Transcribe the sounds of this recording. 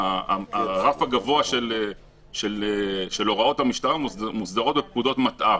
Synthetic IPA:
aaʁafaɡavo̞aʃele | ʃeleʃe̞lo̞ʁao̞tamiʃtaʁamusd̪aʁo̞t̚bep̚kudo̞tmat̪ʔa

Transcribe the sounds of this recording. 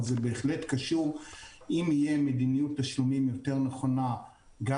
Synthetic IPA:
zebe̞ːχle̞tkaʃuʁimije̞medinijutːaʃlumimjo̞te̞ʁneχo̞na | ɡa

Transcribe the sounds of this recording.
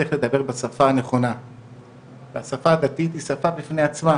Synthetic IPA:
eχle̞d̪abe̞ʁbesafaːneχo̞na | veasafaːd̪at̪it̪isafabifne̞at͡sma

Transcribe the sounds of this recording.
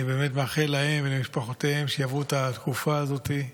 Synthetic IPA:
ibe̞ːme̞tmaχelahe̞mvelemiʃpaχot̪eemʃejavut̪at̪kufaːzo̞t̪i

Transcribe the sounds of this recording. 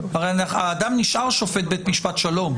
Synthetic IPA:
aʁejanχaːd̪amniʃʔaʁʃo̞fet̪̚bet̪miʃpat̪ʃalom

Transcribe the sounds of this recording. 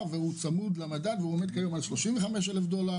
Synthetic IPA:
vehut͡samud̪lamadad̪veuemed̪̚kajo̞malʃloʃimveχame̞ʃ̬elefd̪o̞la

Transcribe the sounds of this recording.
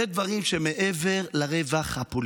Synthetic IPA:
ed̪vaʁimʃemeʔeve̞ʁlaʁevaχhapol

